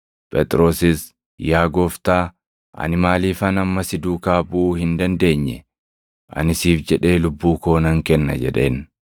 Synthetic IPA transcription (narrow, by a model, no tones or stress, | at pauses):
pʼɛt̪ʼɾo̞ːsɪs | jaːɡɔft̪aː | ʔɐ̰nɪmaːliːfɐnɐmːɐsɪd̪uːkaːbuːhɪnd̪ɐnd̪e̞ːɲːɛ | ʔɐ̰nɪsiːfd͡ʒɛᶑe̞ːlʊbːuːko̞ːnɐŋkɛnːɐ̰d͡ʒɛ̰ᶑe̞̰ːn